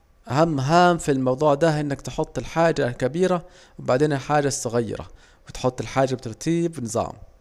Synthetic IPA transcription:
ʔaɦamːɦaːmfilmɑwd̪ˤuːʕd̪aʔɪnːakt̪ɪħʊt̪ˤːɪlħaːd͡ʒalkabiːɾa | wɪbaʕd̪eːnɪlħaːd͡ʒːasːʊɣajːɪ̰ɾɑ̰ | wɪt̪ħʊt̪ˤːɪlħaːd͡ʒːab̚t̪ɑɾˤt̪ʰiːbnɨzˤɑ̰ːm

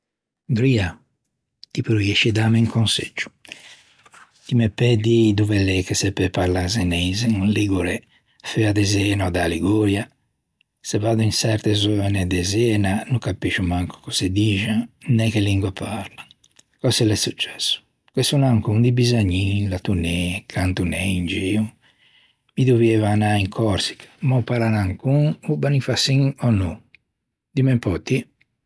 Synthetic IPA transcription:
ɡɾia | t̪ipɾujeʃid̪ameiŋkonsḛd͡ʒːu̥ | t̪imepːɛd̪id̪uvɛlɛkːesɛpːɛpaɾlazɛnɛizeŋunliɡuɾɛ | fɛad̪ɛzɛːnɔd̪aliɡoːɾja | sɛvaːd̪uinsɛɾt̪ɛzɔːnɛd̪ɛzɛːnanukapːiʃumaŋkɔ̥kɔsed̪iːʒaŋnɛkelːiŋɡwapaɾlaŋ | kɔsɛlɛsːut͡ʃːɛ̥sːu̥ | kwesunaŋkuŋd̪ibizaɲːilat̪unɛkʰant̪unɛind͡ʒiu | mid̪uvevanaiŋkʰɔɾsi̥kmɔpalanaŋkuŋubanifasiŋɔnu | d̪imɛmpɔt̪ːi

